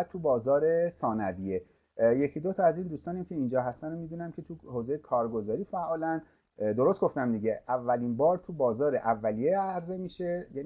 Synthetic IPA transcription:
t̪t̪ʰːubɒːzɒːɾe̞sɒːnæbije | je̞cʰid̪o̞t̪ʰɒæziːnd̪uːst̪ɒːnæmcʲʰe̞iːnd͡ʒɒːɦæst̪ænomiːd̪uːnæmcʰe̞t̪ʰuhoːze̞jekʰɒːɾɡo̞zɒːɾiːfæʔɒːlæn | d̪o̞ɾo̞st̪ɡo̞ft̪æmd̪iɟe̞ʔævːælinbɒːɾt̪ʰubɒːzɒːɾe̞ʔævːælijeæɾze̞miːʃe̞jæ

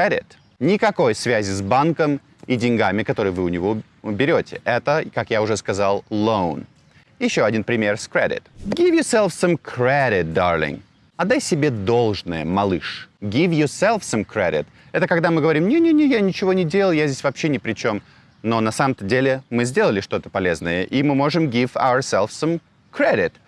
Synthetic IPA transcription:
edʲɪ̰t̪ | nʲɪkɐko̞jsvʲæzʲɪzbankəm | idʲɪnʲɡamʲɪkɐt̪o̞ɾɨjəvɨʊnʲɪvo | ʊbʲɪɾʲotʲɪʔɛt̪əkakjaʊʐɛskɐzalˠlˠoʊn | jɪɕːoɐdʲinpɾʲɪmʲerskɾʲḛdʲɪ̰t̪ɡʲivjɔsɛlˠfsɐ̃mkɾeɾʲɪt̪̚d̪arlʲɪ̰ŋ | ɐd̪ːajsʲɪbʲe̞d̪o̞lˠʐnəjə̰mɐlˠɨʂɡʲivjɔsɛlˠfsɐmkɾʲḛɾʲɪ̰t̪ | ɛt̪əkɐɡd̪amɨɡəvɐɾʲimnʲenʲenʲejanʲɪt͡ɕɪvo̞nʲɪdʲelˠjjazʲdʲesʲvɐpɕːenʲɪpɾʲɪt͡ɕo̞m | no̞nɐsaməmt̪ədʲelʲɪmɨzʲdʲe̞lˠəlʲɪʂt̪o̞t̪ə̥pɐlʲe̞znəjəʔimɨmo̞ʐɨmɡʲifa̰ʊəsʲɛlˠfsɐm | kɾʲedʲɪt̪

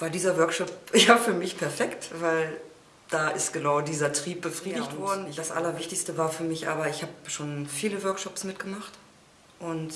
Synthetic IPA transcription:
vaːdiːzɐvœɐkʃɔpjaːfyːɐmɪçpʰɛɐfɛktv̥aɪl | d̥aːʔɪstɡ̥ənaʊdiːzɐtʁ̥iːp̚b̥əfʁ̥iːdɪçtvɔɐdn̩d̥asʔa̰lɐvɪçtɪçstəvaːɐfyːɐmɪçʔa̰ːbɐɪçhaːpʃoːnfiːləvœɐkʃɔpsmɪtɡ̥əmaχt | ʔʊnt

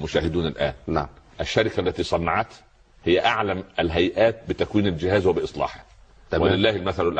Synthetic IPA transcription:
mʊʃæːhɪd̪uːnælʔæ̰ːnnʔæʃːæɾɪkælːæt̪iːsˤɑnːɑʕɑt̪ | hɪjːæʔaʕlæmælɦæjʔæːt̪̚bɪt̪ækwiːnɪld͡ʒɪhæːzwæbɪʔɨsˤlɑ̰ːħæ̥ | wælɪlːæːhɪlmæθælʊlʔ

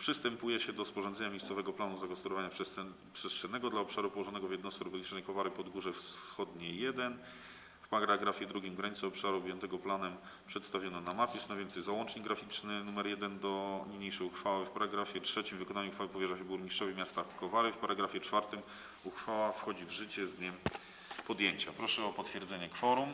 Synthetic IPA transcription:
pʂɘst̪ɛmpujɛɕɛd̪ɔspɔʐɔnd̪zɛɲamʲejssɔvɛɡɔplanuzaɡɔst̪uɾɔvaɲapʂ | pʂɛst̪ʂɛnɛɡɔd̪laɔpʂaɾupɔwɔʐɔnɛɡɔvjɛd̪nɔsɾɔbɔlʲit͡ʂnɛjkɔvaɾɘpɔd̪ɡuʐɛfsxɔd̪ɲɛjɛd̪ɛn | fpaɾaɡɾaɡɾafʲjɛd̪ɾuɡʲimɡɾaɲit̪sɛɔpʂaɾuːbʲjɛnt̪ɛɡɔplanɛm | pʂɛt̪st̪avʲjɔnɔnamapʲisnavʲjɛnt̪sɛjzawɔnt͡ʂɲiɡːɾafʲit͡ʂnɘnumɛɾjɛd̪ɛnd̪ɔɲʲɲejʂɛjuxfawɘfpaɾaɡɾafʲjɛtʂɛt͡ɕimvɘkɔnaɲuxfawɘpɔvʲjɛʐaɕɛbuɾɲiʂt͡ʂɔvʲimʲjast̪akɔvaɾɘfpaɾaɡɾafʲjɛt͡ʂfaɾt̪ɘm | uxfawafxɔd͡ʑivʐɘt͡ɕɛzd̪ɲɛm | pɔd̪jeɲt͡ɕapɾɔʂɛɔpɔt̪fʲjɛɾd̪zɛɲɛkfɔɾum

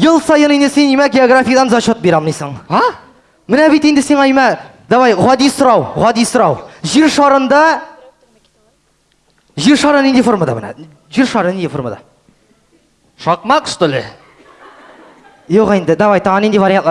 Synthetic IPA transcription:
jəlˠsɑjənend̪ɪsenijmɑɡʲe̞oɡrafʲijad̪ɑnzɑʃot̪̚beɾɑmənijsəɴɑ | mɪnæbet̪end̪ɪsenɑjmɑ | d̪ɑβɑjʁɑd̪isʊɾɑwʁɑd̪isʊɾɑwʒiɾʃɑɾənd̪ɑ | ʒiɾʃɑɾənend̪efo̞rmad̪ɑbənɑ̰ | ʒiɾʃɑɾəned̪efo̞̰ɾma̰d̪ɑ̰ | ʃɑqmɑkst̪ɪlḛ | joqend̪ɪd̪ɑβɑjt̪ʰɑʁɑnend̪evaɾʲijant̪ːˠɑ

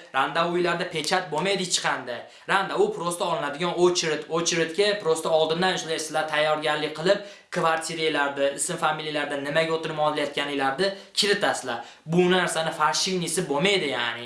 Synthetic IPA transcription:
ɾand̪aʊjlaɾd̪apʰe̞t͡ʃʰat̪̚bomajd̪ɪt͡ʃʰɪ̥qʰɑnd̪aj | ɾand̪aʊpʰɾost̪ʰaɒlˠɪnad̪ɪɡʲɒnot͡ʃʰɾɪt̪ot͡ʃʰɾɪt̪kʲɪpʰɾost̪aɒlˠd̪ɪnd̪anjʊʃlˠajsɪlat̪ʰajːɒɾɡʲaɾlːɪqʰɨlˠɪp̚ | kʰvaɾt̪ʲʰiɾejlaɾd̪ɪɪsɪmfamilijlaɾd̪anɪmaɡʲaot̪ʰɪɾɪmɒd̪lajɒt̪̚kʲʰanɪjlaɾd̪ɪkʲʰɪlɪt̪asɪla | bʊnnaɾsanɪfaɾʃɪɡnisɪbomajd̪ɪja̰ːnɪ

